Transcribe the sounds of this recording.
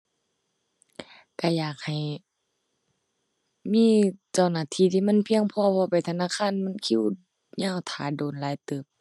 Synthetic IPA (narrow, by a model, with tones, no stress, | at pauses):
ka˧˩jaː˨˩k̚ha˨˩j | miː˧˥˨t͡ɕa˧˩˨wnaː˧˩˨t̪ʰiː˧˥˨t̪ʰiː˧ma˧˥˨npʰi˧əŋpʰɔː˧pʰɔː˧pa˨˩jt̪ʰa˧naː˧˨kʰaː˧˥˨nma˧˥˨nkʰi˧˥˨w | ɲaː˧˥˨wt̪ʰaː˨˦doː˨˩nlaː˨˧˦jt̪ɯː˧˦˩p̚